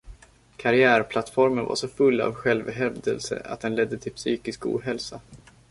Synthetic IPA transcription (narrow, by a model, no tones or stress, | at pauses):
kʰaɾɪæːɾpʰlat̪fɔɾmənva̰ʂɔfɵlːa̰vɧɛlvɦɛvd̪əlsə̰ʔa̰t̪̚d̪ɛnlɛd̪ːət̪ʰɪlpsyːkɪskṵːdɦɛlsa